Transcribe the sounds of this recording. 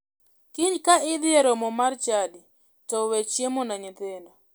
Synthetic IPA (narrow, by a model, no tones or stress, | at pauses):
kiɲkaɪd̪ɪeɾɔmɔmart͡ʃadi | tɔwet͡ʃjemonaɲɪt̪ɪnda